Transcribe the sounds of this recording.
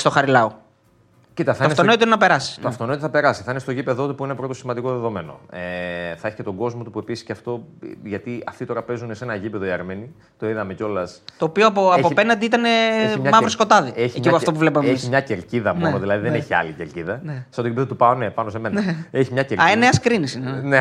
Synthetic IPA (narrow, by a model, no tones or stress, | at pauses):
st̪oxɐɾilɐo | cit̪ɐθɐɐinesonoit̪oinenɐpe̞ɾɐsi̥oɐft̪onoit̪oθɐpe̞ɾɐsi̥θɐinest̪oʝipe̞ðo̞t̪upuinepɾo̞t̪osimɐnd̪ikoðeðo̞me̞no̞̰eθɐeçi̥cet̪o̞ɡo̞zmo̞t̪upue̞pisi̥sceɐft̪o̞ʝɐt̪iɐft̪it̪o̞ɾɐpe̞zunese̞nɐʝipe̞ðoiɐɾme̞ni | t̪o̞iðɐme̞co̞lɐst̪oːpioɐpoɐopenɐnd̪iit̪ɐneeçimɲɐmɐvɾosko̞t̪ɐðieçemiɐft̪opuvlep̬meesimɲɐceɾciðɐmonoðilɐðiðeneçiɐ̰liceɾciðɐnese̥ɐot̪oʝipeðot̪upɐonepɐnoseme̞nɐeçimɲɐceɾɐeneɐskɾinisinene